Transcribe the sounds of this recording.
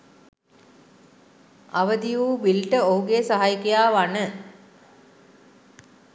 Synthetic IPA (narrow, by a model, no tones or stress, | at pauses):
aʋəd̪ijuːbilʈəoɦuɡeːsaɦajkejaːʋanə